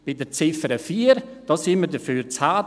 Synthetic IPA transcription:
b̥ɪdəɾt͡sɪfəɾəfiːəɾd̥ɑːsɪməɾdəfyːɾt͡shaː

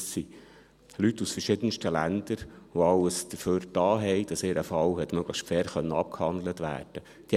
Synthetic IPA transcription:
si | lytːusfəɾʃɪd̪ənstəlænd̪əɾoɑləsd̪̥əføːɾd̥ɑːɦɛɪd̥ɑsɪːɾʔəfɑlwɦɛt̪mœɡ̥ləxʃtfɛːɾχœnːəɑp̚khɑnd̪lət̪ʋæ̰ːrd̥ə | d̥i

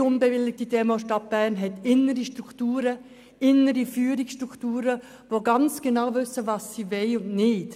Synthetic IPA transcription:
ʊnbevɪlːɪɡ̚tidɛːmoʃtɑt̚b̥ɛːnɦɛt̪ɪnəɾiʃtɾuktuːɾə | ɪnəɾifyːɾɪksʃtɾukʰtuːɾə | ʋoɡɑnt͡sɡ̥enaʊvʏsəvɑːsːiːvɛɪʊndnɪːt

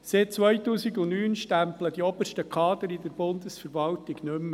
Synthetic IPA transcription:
sɪt̚t͡sʋœjtuːsɪɡʊnyːnʃtæmpləd̥iɔbəʃtəkʰɑːd̪əɾɪd̪əɾbʊnd̪əsfəɾʋɑltɪɡnʏmːə

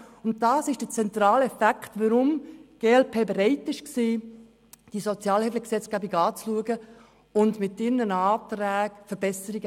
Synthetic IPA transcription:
ʊnt̚d̥ɑːsɪʃd̥ət͡sɛnt̪ɾɑːlɛfækχtʋəɾʊmɡ̥eːɛlpʰeːbeɾɛɪtɪʃksiː | d̥isot͡sjɑːlhɛfləksɛt͡sɡ̥æːbiɡɑːt͡sluəɡə | ʊndmɪtːɪɾnənɑːt̪ɾæːɡfəɾb̥ɛsəɾiɡ

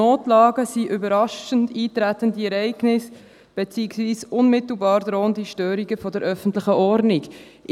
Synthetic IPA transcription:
oːtlɑːɡəsiʔybəɾɑʃəntiːtɾætəndiɛɾɛɪɡnɪs | b̥et͡siːksviːsʔʊnmɪtl̩bɑːɾd̥̪ɾoːəndiʃtøːɾiɡəfɔdəɾʔœfən̩tlɪχəʔɔɾniɡ

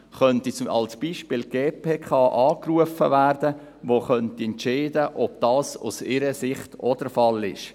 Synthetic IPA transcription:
χœntit͡sɑ̰lsb̥iːʃpɪːlɡ̥eːpeːkʰχɑːʔɑːkruəfəvæːɾd̥ə | ʋoχœntiɛntt͡ʃeɪdəʔɔb̥̚d̥ɑːsṵsɪɾəsɪχtɔd̥əɾfɑlɪ̰ʃ

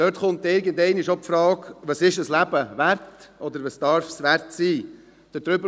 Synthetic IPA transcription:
d̥øɾtχʊnt̪ɪɾɡəndɛɪniʃopfɾɑːkʋɑsɪʃəslæb̥əʋæɾtʔɔd̪əɾʋɑsd̥ɑɾfsʋæɾtsiː | d̥ədɾʏbə

